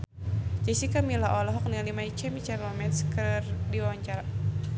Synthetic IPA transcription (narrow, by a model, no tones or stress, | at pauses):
d͡ʒɛsikamilaɔlɔɦɔk̚nialimait͡ʃɛmit͡ʃaɾlɔmɛt̪skərdiwaɲt͡ʃaɾa